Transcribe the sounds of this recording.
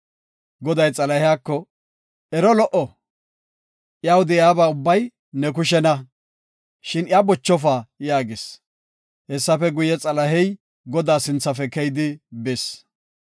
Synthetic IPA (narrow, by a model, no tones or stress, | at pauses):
ɡɔd̪ɐjt͡sʼɐlɐhɪjaːkːɔ | ɛɾɔlɔʔɔ | ʔjaːwʊd̪ɛjaːbaːʊbːɐj | nɛk̬ʊʃ̬ɛnɐ | ʃɪnɪjaːbɔt͡ʃːɔfaːjaːɡɪs | hɛsːɐfɛɡʊjɛt͡sʼɐlɐɦɛj | ɡɔd̪aːsɪnt͡sːɐfɛkɛjd̪ɪbes